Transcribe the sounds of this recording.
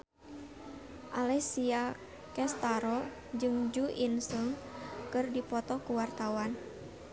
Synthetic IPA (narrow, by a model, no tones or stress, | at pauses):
ʔalɛsia | kɛst̪aɾɔ | d͡ʒɨŋd͡ʒuinsuŋkɨrdipɔt̪ɔkuwart̪awan